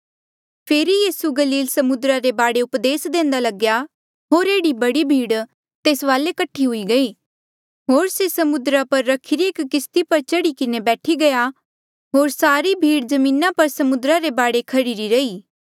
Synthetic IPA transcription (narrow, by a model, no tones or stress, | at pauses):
pʰeːɾijiːsuɡɐliːlsɐmʊd̪ɾaɾebaːɽeʊpd̪eːsd̪ẽːnd̪alɐɡja | ɦoːɾeːɽibɐɽibʱiːɽ | t̪eːsʋaːlekɐʈʰːiɦʊiɡɐiː | ɦoːɾsesɐmʊd̪ɾapɐɾːɐkʰɪɾieːkkɪst̪ipɐɾt͡ʃɐɽikɪnebɛːʈʰiɡɐja | ɦoːɾsaːɾibʱiːɽd͡ʒɐmĩːnapɐɾsɐmʊd̪ɾaɾebaːɽekʰɐɾiːɾiɾɐiː